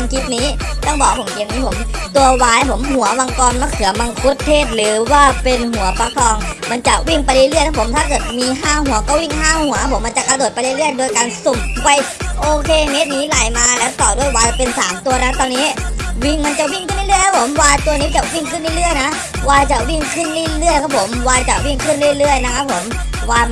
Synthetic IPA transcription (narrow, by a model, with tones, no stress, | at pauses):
a˧ŋkʰi˦˥t̪̚niː˦˥t̪ɔ˥˩ŋbɔː˨˩wa˧pʰmki˨˧miː˧˥˩pʰo˩˦mt̪u˧ɐwaː˧˥˧pʰo˩˦mhu˨˩˦ɐwa˧ŋkɔː˧nma˧˥˩kʰɯ˨˩˦ɐma˧ŋkʰu˦˥t̪ʰːeː˥˩t̪̚lɯː˨˦waː˧˩pe˧nɦu˨˩˦ɐpa˧kʰɔː˧ŋma˧nt͡ɕa˨˩wi˦˥˩ŋpa˧jli˦˧˩lɯ˥˩jt̪ʰa˥pʰo˩˦mt̪ʰaː˥˩kɤː˨˩t̪̚miː˧ɦaː˥˩hu˨˩˦ɐkɔː˥˩wi˥˩ŋɦaː˥˩hu˩˦ɐ˧˥pʰo˩˦mːa˧t͡ɕa˨˩ka˧doː˨˩t̪̚pa˧jla˦˥lɯ˥˩əjdoː˧jkaː˧nso˨˩mpa˧jʔoː˧kʰeː˧me˦˥t̪̚niː˨˦˥la˨˩jmaː˧lɛː˦˥wt̪ɔː˨˩du˥˩əjwaː˧a˨˩pe˧nsaː˩˦mt̪u˧ɐna˦˥t̪ɔː˧nːiː˦˥wi˥˩ŋma˧nt͡ɕa˨˩wi˥˩ŋkʰɯ˥˩nli˥˨lɯ˥˩jkʰa˦˥pʰo˩˦mwaː˧t̪u˧ɐniː˦˥t͡ɕa˨˩wi˥˩ŋkʰɯ˥˩˨nli˥˩˨lɯ˥˩əjna˦˥ | waː˧t͡ɕa˨˩wi˥˩ŋkʰɯ˥˩nli˧˥˩lɯ˥˩əjkʰa˧˦˥pʰo˩˦mwaː˧t͡ɕa˨˩wi˥˩ŋkʰɯ˥˩nlɯ˥˩˨lɯ˥˩əjna˦˥kʰa˧˦˥pʰːo˩˦m | waː˧